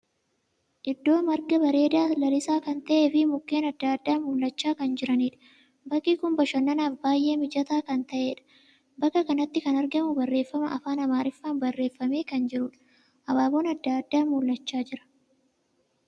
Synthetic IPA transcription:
ʔɪd̪ːo̞ːmɐɾɡɐbɐɾe̞ːd̪aːlɐlɪsaːkɐnt̪ɐʔeːfɪmʊkːe̞ːnɐd̪ːaːd̪ːaːmʊlːɐt͡ʃːaːkɐnd͡ʒɪɾɐniːᶑɐ̥ | bɐkːikʊmbɐʃɐnːɐnaːfbaːjʔe̞ːmɪd͡ʒɐt̪aːkɐnt̪ɐʔeːᶑɐ̥ | bɐkːɐkɐnɐt̪ːɪkɐnɐɾɡɐmʊbɐrːe̞ːfːɐmɐʔɐfaːnɐmaːɾɪfːaːnbɐrːe̞ːfːɐme̞ːkɐnd͡ʒɪɾʊᶑɐ̥ | ʔɐbaːbo̞ːnɐd̪ːaːd̪ːaːmʊlːɐt͡ʃːaːd͡ʒɪɾɐ̥

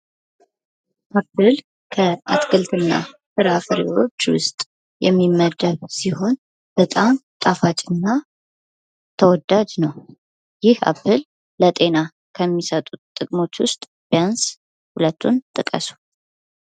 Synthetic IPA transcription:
ʔapːɨl | kʰəat̪ɡɨlt̪ʰɨnːa̰sɨɾafɨɾḭwo̞t͡ʃːwʊ̰st̪ʼ | jɛmːimːəd̪ːəβsiho̞n | b̥ət̪ʼamt̪ʼafat͡ʃʼɨnːa | t̪ʰəwɔd̪ad͡ʒnəw | jɪhʔa̰bːɨlː | ət̪ʼe̞na | kʰəmːisət̪ʼut̪ʼːɨkʼmo̞t͡ʃːwʊst̪ʼ | b̥ijans | hulət̪ʰːunt̪ʼɨkʼə̰su̥

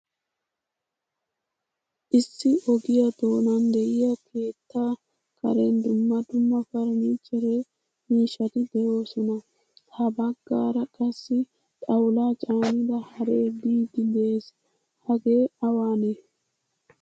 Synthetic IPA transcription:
ʔɪsːɪʔɔɡɪjɐd̪o̞ːnɐnd̪ɛʔɪjɐkʰe̞ːt̪ːaː | kʰɐɾɛnd̪ʊmːɐd̪ʊmːɐfɐɾmit͡ʃʼːɛɾe | miːʃɐt̪ɪd̪ɛjo̞ːsɔnɐ | tɐbɐɡːaːɾɐkʼɐsːɪ | t̪ʼɐwlaːt͡ʃʼaːnɪd̪ɐhɐɾeːbiːd̪ɪd̪e̞ːs | hɐɡe̞ːɐwaːne

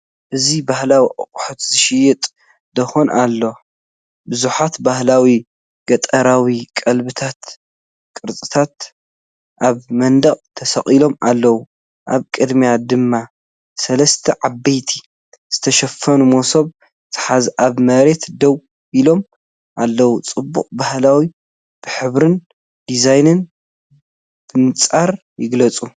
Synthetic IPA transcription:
ʔɨzibahlawiʔʼɨ̰qʼʊħut̪zɨʃɪjɪt̪ʼ | d̪ɐxonʔalːo̞ | bɨzuħat̪bahlawi | ɡɐt̪ʼɐɾawikʼɐlbɨt̪ʰat̪ | kʼɨɾt͡sʼɨt̪ʰat̪ | ʔaβmɐnd̪ɐχʼt̪ʰɐsɐχʼilo̞malːɐwu | ʔaβkʼɨd̪mijad̪ɨmːa | sɐlɐst̪ʰɐʕabːɐjt̪ʰi | z̥ɨt̪ʰɐʃɐfːɐnumosoβ | t̪ʰɨ̥ħazʔaβmɐɾe̞t̪d̪ɐw | ilo̞m | ʔalːɐwut͡sʼɨbːṵqʼbahlawi | b̥ɨħɨβɾɨn | d̪izajnɨn | b̥ɨnɨt͡sʼaɾ | jɪɡlɐt͡sʼu

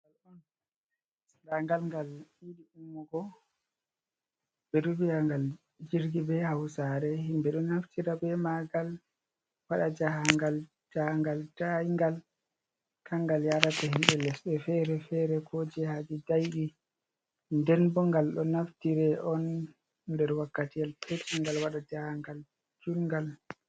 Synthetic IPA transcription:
ŋɡalɔn | daŋɡalŋɡaliɗiumːɔɡɔ | bɛɾubijaŋɡal | d͡ʒiɾɡibɛhawsaɾɛhimbɛɗɔnːaftʰiɾabɛmaɡal | waɗad͡ʒahaŋɡal | d͡ʒahŋɡaltaŋɡal | kʰaŋɡaljaɾatɛhimɓɛlɛsɗɛfɛɾɛfɛɾɛkʰod͡ʒɛhad͡ʒidajɗi | ndɛnbɔŋɡalɗɔnaftiɾɛʔɔn | dɛɾwakːatijalpʰet͡ʃiŋɡalwaɗad͡ʒahaŋɡal | d͡ʒulŋɡal

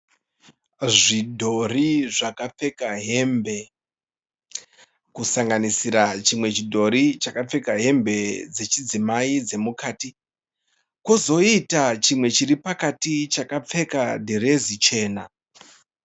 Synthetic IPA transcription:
ʐidʱo̞riʐakap͡fe̞kaɦe̞mbe̞ | kusaŋɡanisiɾat͡ʃimwe̞t͡ʃidʱo̞ɾit͡ʃakap͡fe̞kaɦe̞mbe̞d͡ze̞t͡ʃid͡zimaid͡ze̞mukaːti | kozo̞itat͡ʃimwe̞t͡ʃiripakatit͡ʃakap͡fe̞kadʱeɾe̞zit͡ʃe̞ːna

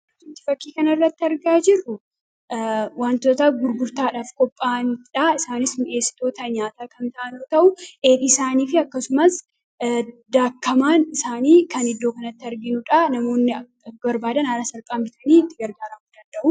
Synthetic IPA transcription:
t̪ʊt̪ːɪ̥fɐkːiːkɐnɐrːɐt̪ːɪɐɾɡaːd͡ʒɪrːʊ | waːnt̪oːt̪ɐɡʊɾɡʊɾt̪aːᶑaːfkɔpʼːaːnᶑaɪsaːnɪsmɪʔe̞ːsɪ̥t̪o̞ːt̪ɐɲaːt̪aːkɐnt̪ɐʔɐnoːt̪ɐʔʊʔeːbisaːniːfɪɐkːɐsʊmɐs | d̪aːkːɐmaːnɪsaːniːkɐnɪd̪ːoːkɐnɐt̪ːɪɐɾɡɪnʊᶑanɐmo̞ːnːɪ | bbɐɾbaːd̪ɐnaːɾɐsɐɾpʼaːmbɪt̪ɐniːɪt̪ːɪɡɐɾɡaːɾɐmʊd̪ɐnd̪ɐʔʊ

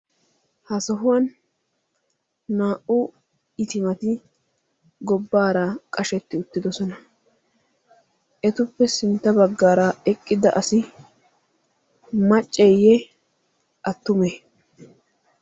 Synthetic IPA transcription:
hɐsɐɦʊwɐn | aːʔʊ | ɪt̪ɪmɐt̪ɪ | ɡɔbːaːɾɐkʼɐʃɛt̪ːɪʊt̪ːɪd̪ɔsɔnɐ | ʔɛt̪ʊpːɛsɪnt̪ːɐbɐɡːaːɾɐɛkʼːɪd̪ɐʔɐsɪ | mɐt͡ʃʼːɛjːɛ | ʔɐt̪ːʊme

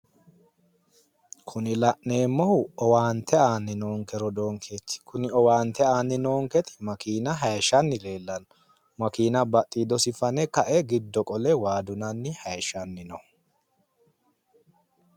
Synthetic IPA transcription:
kʰʊnɪlɐʔne̞ːmːɔhʊɔwaːnt̪ʰːɛaːnːɪnoːŋkɛɾɔd̪oːŋkʰet̪ːɪ̥kʊnɪɔwaːnt̪ɛaːnːɪnoːŋkɛt̪ɪ̥mɐkiːnɐɦɐjʃɐnːɪle̞ːlːɐn | mɐkiːnɐbɐt̪ʼːiːd̪ɔsɪfɐnɛkɐʔɛɡɪd̪ːɔkʼɔlɛwaːd̪ʊnɐnːɪhɐjʃɐnːɪnɔ

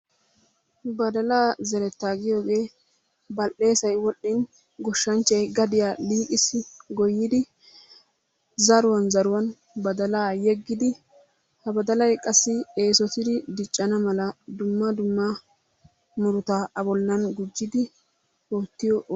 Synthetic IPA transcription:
bɐd̪ɐlaːzɛɾɛt̪ːaːɡɪjo̞ːɡe̞ː | bɐlʔːe̞ːsɐjwɔɗːɪn | ɡɔʃːɐnt͡ʃːɐjɡɐd̪ɪjaːliːkʼɪsɪɡɔjːɪd̪ɪ | zɐɾʊwɐnzɐɾʊwɐn | bɐd̪ɐlaːjɛɡːɪd̪ɪ | hɐbɐd̪ɐlɐjkʼɐsːɪe̞ːsɔt̪ɪd̪ɪd̪ɪt͡ʃʼːɐnɐmɐlɐd̪ʊmːɐd̪ʊmːɐ | mʊɾʊt̪aːʔɐbɔlːɐnɡʊd͡ʒːɪd̪ɪ | oːt̪ːɪjɔʔ

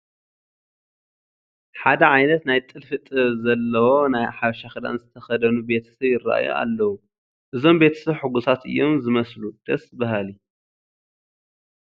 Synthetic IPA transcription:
ħad̪ɐʕajnɐt̪najt̪ʼɨlfɨt̪ʼɨβzɐlːɐwo̞najħaβʃaxɨd̪a̰nzɨt̪ʰɐxɐd̪ɐnube̞t̪ʰɐ̥sɐβjɪraʔa̰jo̰ʔa̰lːɐwu | ʔɨzo̞mbe̞t̪ʰɐ̥sɐβħɨɡusat̪ʔɨ̰jːo̞mzɨmɐslud̪̥ɐsbaɦali

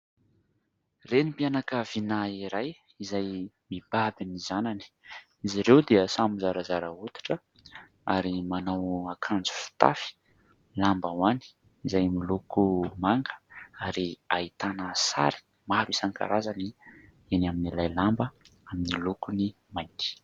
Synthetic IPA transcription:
renipianakəvinaiɾaj | izaj | mib̥abinizanani̥ | iziɾewd̪eəsamuzaɾazaɾəut̪i̥ʈ͡ʂə | a̰ɾimanawakʰand͡zu̥fu̥t̪a̰fi̥ | lambawani̥ | izajmilukumaŋɡə̥aɾiait̪anəsa̰ɾi̥ | mabisaŋka̰ɾazani | enaminilajlambəaminilukuni | majt̪i̥

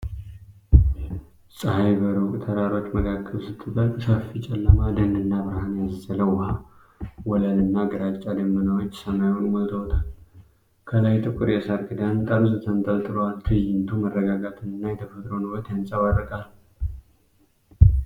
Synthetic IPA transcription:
sʼəhajbəɾokʼt̪ʰəɾaɾo̞t͡ʃːməkʰakʼːəβsɨt̪ʰʼːɨbət̪safit͡ʃʼɛlːəmad̪ənɨnːabɨɾhanjazəzələwha | wɔlalɨnːaɡəɾat͡ʃʼːad̪əmːənəwot͡ʃːsəmajunməlt̪ʰəwt̪ʰal | kʰəlajt̪ʼɨkʼːɨɾjɛsaɾɡɨd̪ant̪ʼamzɨt̪ʰənt̪ʼəlt̪ʼɨɾowalt̪ʰɨjɪnt̪ʰumərːəɡaɡat̪ʰɨnɨnːajɛt̪ʰəfət̪ʼɾonɨwət̪jansʼəβarːəkʼal

